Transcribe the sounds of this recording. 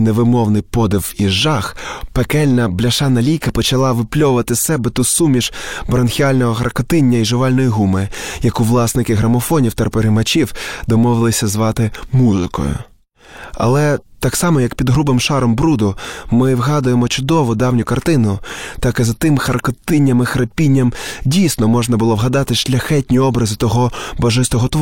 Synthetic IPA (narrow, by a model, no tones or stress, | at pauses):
neʋɪmɔwnɪjpɔd̪ɪwiʒːɑxpekɛlʲnɐblʲɐʃɑnɐlʲijkɐpɔt͡ʃɐlˠɑʋɪplʲɔʋʊʋɐt̪ɪsɛbɛt̪ʊsumʲiʒbɾɐnxʲiɑlʲnɔɦɔxɐrkɔt̪ɪnʲːɐiʒɪʋɑlʲnɔjiɦumɪjɐkʊʋlˠɑsnɪkɪɦɾɐmɔfɔnʲiwt̪ɐpeɾɪmɐt͡ʃiwd̪ɔmɔʋɪlˠɪsʲɐzʋɑt̪ɪmuzɪ̰kɔ̰jʊ̰ | ɐ̰lˠɛt̪ɑksɑmɔjɐkpʲid̪ɦɾubɪmʃɑɾɔmbɾud̪ʊmɪwɦɑd̪ʊjemɔt͡ʃʊd̪ɔʋʊd̪ɑwnʲʊkɐrt̪ɪnʊt̪ɑkɪzɐt̪ɪmxɐrkɔt̪ɪnʲːɐmɪxɾɐpʲinʲːɐmdʲijsnɔmɔʒnɐbʊlˠɔʋɦɐd̪ɑt̪ɪʃlʲɐxɛtʲnʲiɔbɾɐzɪt̪ɔɦɔbɐʒɪst̪ɔɦɔt̪ʋ